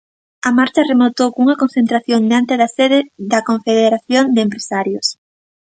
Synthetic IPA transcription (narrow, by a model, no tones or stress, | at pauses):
ɐmaɾt͡ʃɐremot̪owkuŋɐkonθent̪ɾaθjoŋd̪eant̪eðɐseðɪðɐkoɱfeðeɾaθjond̪eempɾesaɾjos